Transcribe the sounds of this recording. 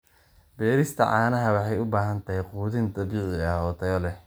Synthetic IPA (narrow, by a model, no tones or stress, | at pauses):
bɛːɾɪst̪ʰɐ̰ʕɑːnɐɦɐwɑħɑjʊbaːɦɐnt̪ʰɐɦɛjquːðɪnt̪ʰɐbiːʕɪɐɔːt̪ʰɐjɔlɛh